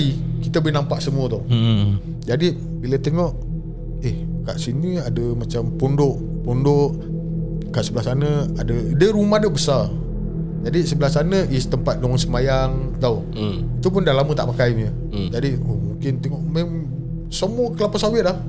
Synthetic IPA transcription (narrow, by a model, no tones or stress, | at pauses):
ikit̪əbinampaʔsəmuət̪ɔ | d͡ʒadi | bilət̪eŋɔʔ | ehkaʔsiniadəmat͡ʃampondʊʔ | pondoʔ | kaʔsəbəlasanəadədəɾumahdəbəsa | d͡ʒadisəbəlasanəʔist̪əmpat̪̚dɔŋsəmajaŋt̪aw | it̪up̬ʊndalamət̪a̰ʔmakajmɲə | d͡ʒadiomuŋkɪnt̪ɛŋɔʔmem | səmuəkəlapəsawɪʔ̪̚lah